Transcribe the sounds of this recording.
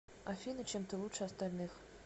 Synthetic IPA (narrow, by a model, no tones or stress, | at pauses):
afʲinɨt͡ɕʰemt̪ʰəlˠutʂast̪alʲnɨx